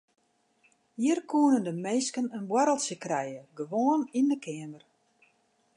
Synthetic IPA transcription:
hiərkʰuənəndəmeːskənənbwaɾəlˠtsjəkrɛjəɡəʋoːənindəkʰɪːəmər

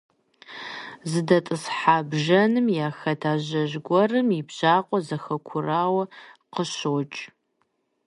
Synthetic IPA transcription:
zɨdɐtʼɨsħaːbʒɐnɨmjaːxɐtʰaːʑɐʑɡʷɔrɨmibʑ̥aːqʷʼɔzɐxɐkʷʰʊraːwɐqəɕoːt͡ʃʼ

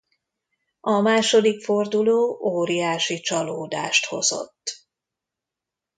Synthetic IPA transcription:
ɒmaːʃo̞d̪ikford̪uloːʔoːɾijaːʃit͡ʃɒloːd̪a̰ːʃt̪ho̞̰zo̰t̪ː

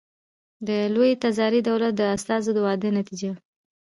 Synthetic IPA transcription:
d̪əlojet̪azɑɾid̪awlat̪̚d̪əast̪ɑzod̪əwɑd̪ənat̪id͡ʒa

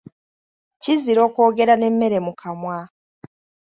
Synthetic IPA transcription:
ciziɾo̞ːko̞ːɡe̞ɾane̞mːe̞ɾe̞mukʰamwa

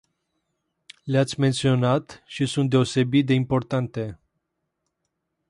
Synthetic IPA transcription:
leat̪sʲme̞nt̪sio̞nat̪ʃisunt̪̚d̪e̞o̞se̞bit̪̚d̪e̞impo̞rt̪ant̪e̞

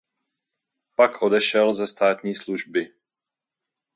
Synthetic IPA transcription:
pakʰʔo̞dɛʃɛlzɛst̪aːt̪ɲiːsluʒbɪ

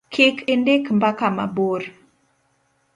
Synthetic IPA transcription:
kʰɪkendekmbakama̰boɾ

